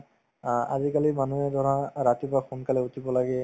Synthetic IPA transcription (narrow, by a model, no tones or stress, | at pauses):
a̰zikalimanuɛdɔɹaɹatibaxunkalɛutʰibɔlaɡɛ